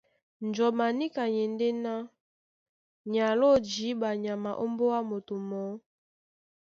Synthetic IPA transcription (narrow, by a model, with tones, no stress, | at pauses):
nd͡ʒɔ˨ma˨ni˦ka˨ɲɛ˨nde˦na˦ | ɲa˨lo˦˨d͡ʒi˨˦ba˨ɲa˨ma˨ʔo˦mbo˦wa˦mo˨to˨mɔ˨˦